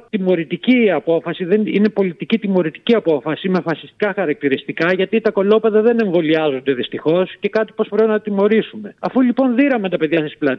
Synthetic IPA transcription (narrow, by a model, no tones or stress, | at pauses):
t̪imo̞ɾit̪iciɐpo̞fɐsiðenine̞po̞lit̪icit̪imo̞ɾit̪i̥ciɐpo̞fɐsime̞fɐsi̥st̪i̥kɐxɐɾɐk̚t̪iɾist̪ikɐʝɐt̪it̪ɐko̞lo̞pe̞ðɐðe̞ne̞ɱvo̞liɐzo̞nd̪e̞ðist̪ixo̞sce̞kɐt̪ipospɾe̞pinɐt̪imo̞ɾisume̞ɐfulipo̞nðiɾɐment̪ɐpe̞ðʝɐsisplɐt̪